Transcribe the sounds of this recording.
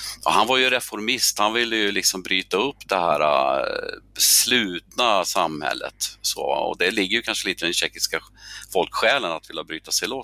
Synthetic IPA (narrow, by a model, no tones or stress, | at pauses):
ɔɦanvaɾjɵɾɛfɔɾmɪst̪hanvɪlːəjɵlɪksɔmbɾyːt̪aɵpːd̪ɛhæːɾa̰ | slʉ̟ːt̪nasamhɛ̰lːə̰t̪so̰ːɔ̰d̪ɛlɪɡːəɾjɵkʰanʂəliːt̪əd̪ɛnɕɛkːɪskafɔlkɧɛːlənat̪vɪlːabɾyːt̪asɛɪloːt̪